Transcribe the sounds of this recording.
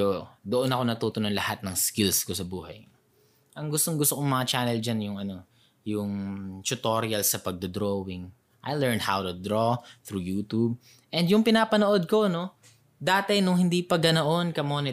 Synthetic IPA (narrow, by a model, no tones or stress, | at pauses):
od̪oʔonɐko̞nɐt̪uːt̪ononlɐhat̪̚nɐŋskɪlskosɐbuːhɐ̰j | ʔɐŋɡʊst̪oŋɡʊst̪okoŋmɐŋat͡ʃaːnɛld͡ʒanjʊŋʔɐno̞ | jʊŋt͡ʃʊt̪oɾiɐlsɐpɐɡ̚d̪od̪ɾowɪŋ | ʔɐ̰jlɛɹnhawt̪ʊd̪ɾoθɾujuːt̪ub̚ | ʔɛnd̪jʊŋpɪnaːpɐnoʔo̞d̪̚ko̞no̞ | d̪aːt̪ɛnʊŋhɪnd̪iːpɐɡɐnoʔo̞nkɐmoːnɪ